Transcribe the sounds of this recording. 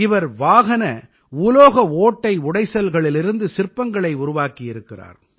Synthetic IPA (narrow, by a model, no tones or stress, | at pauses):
ɪʋɐɾʋaːɣɐnɐ | uːloːɣɐoːʈːɐɪʊɽɐɪsɐlɣɐɭɪlɪɾɯnd̪ɯsɪrpɐŋɡɐɭɐɪʊɾʊʋaːkijɪɾɯkːɪra̰ːɾ